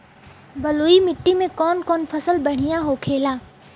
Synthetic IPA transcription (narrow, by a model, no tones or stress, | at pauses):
bɐluːimɪʈːimẽkɔːnkɔːnfʰɐsəlbɐɽ̤ijaɦokʰeːlaː